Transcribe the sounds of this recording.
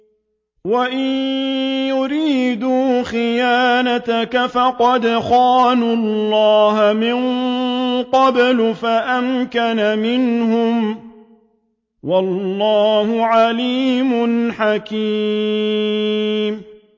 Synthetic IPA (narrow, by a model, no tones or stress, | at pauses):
waʔɪnjʊɾiːd̪uːxɪjaːnat̪akafɑqɑd̪xɑːnulːɑːhamɪn | qɑblʊfaʔamkanamɪnɦʊm | wɑlːɑːhʊʕaliːmʊnħakiː | m